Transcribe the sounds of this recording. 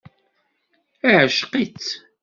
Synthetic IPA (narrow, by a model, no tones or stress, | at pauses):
iʕəʃqit͡s